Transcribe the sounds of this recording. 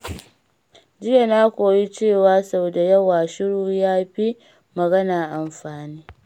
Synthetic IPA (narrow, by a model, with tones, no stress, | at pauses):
d͡ʒɪ˦ja˨naː˦kʷoː˨ji˦t͡ʃeː˦˨waː˦sa˨wda˨jɐ˦waː˨ʃɪ˦ɽuː˨jaː˦ɸi˦ | mɐ˨ɡɐ˦naː˨ʔa˨mɸaː˨niː˦